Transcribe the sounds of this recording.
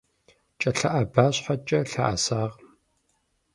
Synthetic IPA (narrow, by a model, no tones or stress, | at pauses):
t͡ʃʼɐɬɐʔɐbaːɕħat͡ʃʼɐɬa̰ʔa̰saːʁ